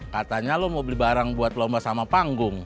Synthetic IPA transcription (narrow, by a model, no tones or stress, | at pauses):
kat̪aɲalɔmobəlibaɾaŋbuat̪lɔmbasamapaŋɡʊŋ